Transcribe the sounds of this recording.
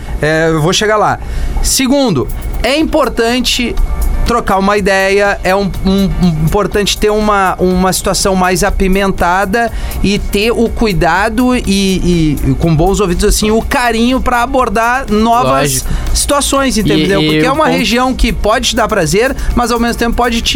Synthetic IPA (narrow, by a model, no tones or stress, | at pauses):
ɛewvoʃeɡala̰ | sɪɡũnd̪ʊɛĩpoɾt̪ɐ̃nt͡ʃɪt̪ɾokaɾũmɐid̪ɛjɐɛũũĩpoɾt̪ɐ̃nt͡ʃɪ̥t̪eɾũmɐʔũmɐsi̥t̪uasɐ̃w̃majzapimẽnt̪ad̪ɐ | ɪt̪eʊkujd̪ad̪ʊɪɪkõbõw̃zowvĩt͡ʃɪzasĩʊkaɾĩɲʊpɾɐaboɾd̪aɾnɔvɐsː | i̥t̪uasõj̃zẽt̪ẽd̪ewpoɾekkeɛũmɐheʒiɐ̃w̃kɪpɔd͡ʒɪt͡ʃɪd̪aɾpɾazeɾmɐzawmezmʊt̪ẽpʊ̥pɔd͡ʒɪt͡ʃ